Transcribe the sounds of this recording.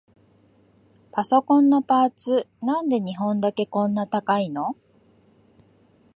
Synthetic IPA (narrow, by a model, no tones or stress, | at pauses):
paso̞kõ̞nːopaːt͡sɨnãnd̪e̞ɲ̟iɦõ̞nd̪ake̞kõ̞nːat̪akaino̞